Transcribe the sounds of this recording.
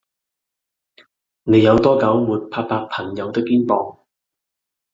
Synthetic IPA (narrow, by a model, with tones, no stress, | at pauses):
ne˨˧jːɐ˨˧wt̪ɔː˥kɐ˨˥wmuː˨˩t̚pʰaː˧k̚paː˧k̚pʰɐ˨˩ŋjɐ˨˧wt̪ɪ˥kːiː˥npɔː˧ŋ